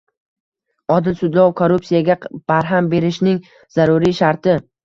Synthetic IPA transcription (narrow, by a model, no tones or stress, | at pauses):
ɒd̪ɪlsʊd̪lˠɒwkʰoɾupsijaɡʲab̥aɾɦambe̞ɾɪʃnɪŋ | z̥aɾʊɾiʃaɾt̪ɪ